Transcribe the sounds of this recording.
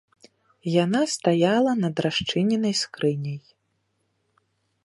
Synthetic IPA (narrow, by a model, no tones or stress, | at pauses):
janast̪ajalˠɐnɐd̪ɾaʂt͡ʂɨnʲɛnɐjskɾɨnʲɐj